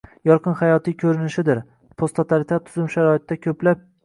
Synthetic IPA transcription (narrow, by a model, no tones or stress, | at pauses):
jɒɾqʰɨnhajɒt̪ijkʲʰɵɾɪnɪʃɪd̪ɪɾ | pʰost̪ʰot̪ʰaɾit̪ʰat̪t̪ʰːʊzɪmʃaɾɒɪt̪d̪akʲʰɵplap̚